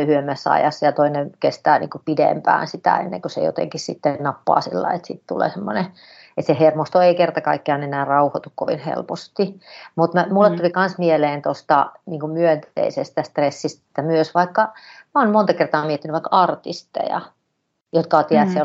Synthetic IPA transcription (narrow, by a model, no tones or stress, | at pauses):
hyemːæsːɑ̰jɑ̰sːɑjɑt̪oinenkest̪æːnḭːŋkupidḛmpæ̰ːnsit̪æ̰ḛnːḛŋkosḛjo̰t̪ḛŋkissit̪ːennɑpːɑ̰ːsḭlːɑ̰iet̪sit̪t̪ulḛːsemːone | et̪sehermost̪oeikert̪ɑkɑikːeɑnenæːrɑuhot̪ukkoʋḭnhḛlpost̪imut̪mæmulːet̪t̪ulikɑnsmieleːnt̪ost̪ɑniːŋkumyønt̪ḛisest̪æst̪resːistt̪æmyøsʋɑikːɑmæoːnmont̪ɑkert̪ɑːmiet̪ːinyʋʋɑˑikːɑɑrt̪ist̪ḛjɑ̰ | jot̪kɑot̪iæt̪se